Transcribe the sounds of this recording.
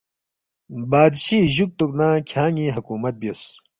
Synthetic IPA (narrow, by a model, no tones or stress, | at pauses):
baːd̪ɕiːʑuk̚t̪uknãːkʲʰãːŋĩːɦɐkuːmɐt̪̚bios